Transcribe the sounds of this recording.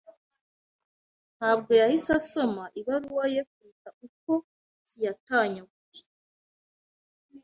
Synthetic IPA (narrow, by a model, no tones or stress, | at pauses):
n̥haːbɡo̞jahisaso̞maʔiβaɾuwajek̚uɾikauko | jataːɲakuti̥